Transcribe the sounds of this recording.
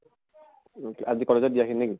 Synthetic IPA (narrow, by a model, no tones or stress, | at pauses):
azikɔlezɔdijakʰinik